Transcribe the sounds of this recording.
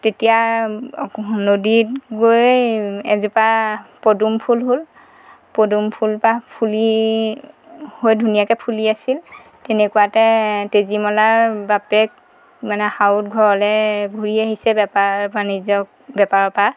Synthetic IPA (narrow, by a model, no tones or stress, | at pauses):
tetija | noditɡojjɛ̰zupapodumpʰulɦol | podumpʰulpapʰuli | hojdʱunijakɛpʰuliasil | tenɛkuwatɛtezimɔlaɹbapɛk̚ | manɛxaut̚ɡʱɔɹɔlɛɡʱuɹiaɦisɛbɛpaɹbanizɔk | bɛpaɹɔpa